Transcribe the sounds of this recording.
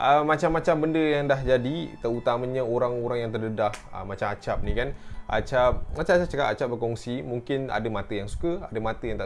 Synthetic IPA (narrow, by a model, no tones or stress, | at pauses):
ʔəmat͡ʃamːat͡ʃambəndəjaŋdahd͡ʒadit̪əɾut̪aməɲə̃oɾaŋoɾaŋjaŋt̪ərdədahə̰mat͡ʃamat͡ʃap̚nikana̰t͡ʃap̚at͡ʃap̚at͡ʃat͡ʃəkaʔa̰t͡ʃap̚bərkɔŋsimuŋkɪna̰dəmat̪əjaŋsu̥kəadəmat̪əjaŋt̪aʔ